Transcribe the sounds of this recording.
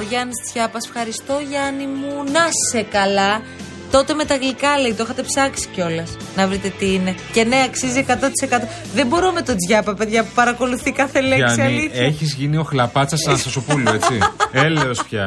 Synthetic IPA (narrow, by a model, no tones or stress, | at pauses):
oʝɐnisd͡zʝɐpɐse̥fxɐɾist̪o̞ʝɐnimunɐssekɐlɐ | t̪o̞t̪e̞me̞t̪ɐɣlikɐle̞it̪oexɐt̪e̞psɐksi̥ceo̞lɐs | nɐvɾit̪e̞t̪iine̞ce̞ne̞ɐksiziekɐt̪o̞t̪i̥se̞kɐt̪o̞ | ðe̞mbo̞ɾome̞t̪o̞d͡zʝɐpɐpe̞ðʝɐpupɐɾɐko̞luθikɐθeleɐksniɐiieçizʝinio̞xlɐpɐt͡sɐsenɐsɐsopulue̞t͡st͡sieleospçɐ̰